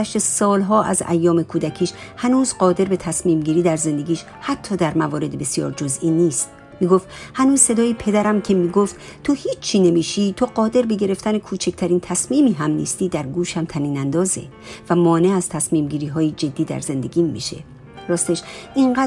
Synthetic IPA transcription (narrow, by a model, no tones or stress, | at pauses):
æʃt̪e̞sɒːlɦɒːʔæ̰zæ̰jːɒːme̞kʰuːd̪æcʰiːʃhænuːzɢɒːd̪e̞ɾbe̞t̪ʰæsmiːmɟiːɾiːd̪æɾze̞nd̪e̞ɡiːʃ | hæt̪ʰːɒːd̪æɾmævɒːɾe̞d̪ebesjɒ̰ːɾd͡ʒozʔiːniːst̪ | miːɡoft̪hænuːzse̞d̪ɒːjipʰe̞d̪æɾæmcʰe̞miːɡoft̪t̪ʰohiːt͡ʃt͡ʃʰːiːne̞miːʃiːt̪ʰoɢɒːd̪e̞ɾbe̞ɟe̞ɾe̞ft̪ʰænekʰuːt͡ʃʰec̚ʰt̪ʰæɾiːnt̪ʰæsmiːmiːɦæmnḭːst̪iːd̪æɾɡuːʃæmt̪ʰæniːnænd̪ɒːzḛ | væmɒːne̞æz̥t̪ʰæsmiːmɟiːɾiːɦɒːjed͡ʒe̞d̪ːiːd̪æ̰ɾze̞nd̪e̞̰ɡʲiːmːḭːʃe̞̰ | ɾɒːst̪eʃʔiɴɢæː